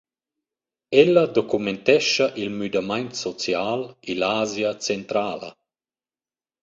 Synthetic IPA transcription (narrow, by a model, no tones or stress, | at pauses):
ɛlːad̪okument̪ɛʃːaʔilmyd̪amajnt̪sɔt͡sjaːlilaːzjat͡sent̪ɾaːlɐ̰